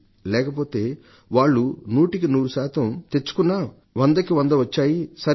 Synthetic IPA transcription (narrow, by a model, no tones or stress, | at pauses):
lɛːkɐpo̞ːt̪e̞ː | ʋaːɭːunuːʈikinuːɾuʃaːt̪ɐmt̪e̞t͡ʃːu̥kunːaː | ʋɐnd̪ɐkiʋɐnd̪ɐʋɐt͡ʃːaːjisɐ